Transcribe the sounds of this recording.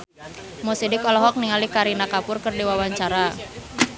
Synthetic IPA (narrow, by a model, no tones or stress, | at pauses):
mɔsidikɔlɔɦɔk̚niŋalikaɾinakapʊrkɨrdiwawaɲt͡ʃaɾa